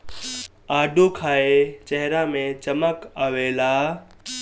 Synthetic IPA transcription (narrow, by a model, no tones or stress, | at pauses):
aːɖʱokʰaːet͡ʃɛɦɪɾamẽt͡ʃəməkəʋeːlaː